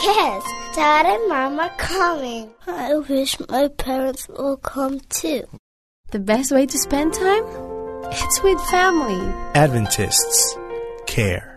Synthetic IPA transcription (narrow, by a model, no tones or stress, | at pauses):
jɛsd̥ɑɾədmɑməkʰʌmɪ̃ŋaɪwɪʃmʔaɪpʰɛɹə̃ntswɪlˠkʰʌ̃mtʰʉ | ðɨbɛst̚weɪɾɨspɛ̃ntʰãɪ̃mɪtswɪð̥fæmlˠiædvɨ̃ntʰɪ̰stskʰɛ̰ɹ